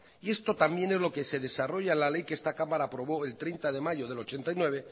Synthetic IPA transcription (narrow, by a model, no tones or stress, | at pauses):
ie̞st̪o̞t̪ambje̞nezlo̞ke̞se̞ðe̞saro̞ʝaenlale̞jkeest̪akamaɾaːpɾo̞β̞o̞e̞lt̪ɾejnt̪aðe̞maʝo̞ð̞e̞lo̞t͡ʃe̞nt̪ajnwe̞βe̞